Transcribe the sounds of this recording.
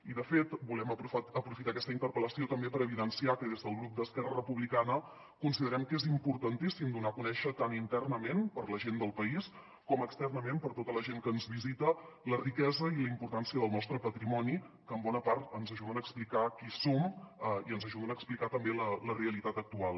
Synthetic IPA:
iðəfet̪bulɛməəpɾufit̪akɛst̪əint̪əɾpələsiot̪əmbepəɾəβiðənsiakəðezðəlˠɣɾup̚d̪əskɛrərəpuβlikanə | kunsiðəɾɛmkezimpuɾt̪ənt̪isimd̪unakunɛʃət̪anint̪ɛrnəmenpəɾləʒend̪əlˠpəis | kɔməkst̪ɛrnəmempəɾt̪ot̪ələʒeŋkəːnzβizit̪ə | lərikɛzəiləimpuɾt̪ansiəðəlˠnɔst̪ɾəpət̪ɾimɔni | kəːmbɔnəpaɾt̪ənzəʒuðənəːksplikakisoməiənzəʒuðənəːksplikat̪əmbelələreəlit̪at̪ək̚t̪ualˠ

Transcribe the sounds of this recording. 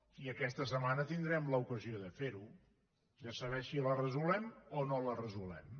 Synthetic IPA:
iəkɛst̪əs̬əmanət̪ind̪ɾɛmləukəzioðəfeɾu | ʒasəβ̞ɛʃilərəzulɛmonolərəzulɛ̰m

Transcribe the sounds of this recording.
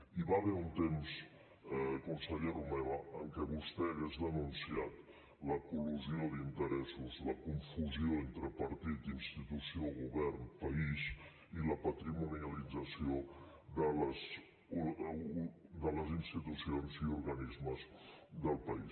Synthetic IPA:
iβaβɛunt̪ems | kunsəʎeɾumɛβəəŋkɛβust̪ɛəɣ̞ezðənunsiat̪ | ləkuluzioðint̪əɾɛsuzləkuɱfuzioent̪ɾəpəɾt̪it̪inst̪it̪usioɣuβɛrnpəiz | iləpət̪ɾimuniəlid͡zəsio | d̪ələz | u | d̪ələzinst̪it̪usionziuɾɣənizməzd̪əlˠpəis

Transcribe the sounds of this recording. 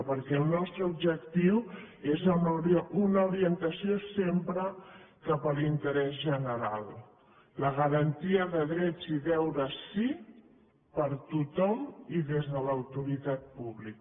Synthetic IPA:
pəɾkɛːlˠnɔst̪ɾəubʒək̚t̪iw | ezəɾunəuɾiənt̪əsiosempɾəkapəlint̪əɾɛzʒənəɾalˠ | ləɣəɾənt̪iəðəðɾɛd͡ziðɛwɾəsi | pəɾt̪ut̪ɔmiðezðələwt̪uɾit̪at̪̚puβlik

